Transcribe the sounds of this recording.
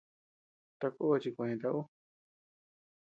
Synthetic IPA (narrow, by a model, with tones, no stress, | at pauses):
t̪a˧ko˦a˧t͡ʃi˧kʷã˧ẽ˧t̪a˧ʔu˦